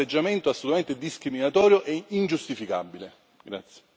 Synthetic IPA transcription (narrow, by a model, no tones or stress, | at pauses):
ed͡ʒːament̪oasːolut̪ament̪ed̪iskɾiminat̪ɔːɾjoʔɛind͡ʒust̪ifika̰bile | ɡɾa̰t̪sje̥